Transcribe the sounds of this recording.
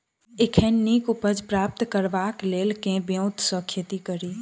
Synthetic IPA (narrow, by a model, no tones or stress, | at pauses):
ɪkʰeːnːikʊpəd͡ʒpɾaːp̚t̪kəɾʋaːkleːlkẽbjõʊt̪sɔ̃kʰjət̪ikəɾiː